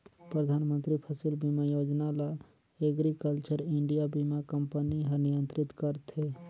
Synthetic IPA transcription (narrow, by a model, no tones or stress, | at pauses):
pɾəd̪ʱaːnmə̃nt̪ɾipʰəsilbimajoːd͡ʒnala | eɡɾikəlt͡ʃəɾɪɳɖijabimakəmpəniɦənijə̃nt̪ɾɪt̪kəɾt̪ɦe